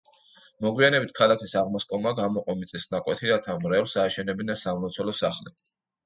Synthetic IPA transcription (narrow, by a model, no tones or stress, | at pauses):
mɔɡwianɛbit̪̚ʰkʰalˠakʰisaʁmɔskʼɔmaɡamɔqʼɔmit̪sʼisnakʼwɛt̪ʰiɾat̪ʰamɾɛfsaːʃɛnɛbinasammɔt̪sʰɔlɔsaχli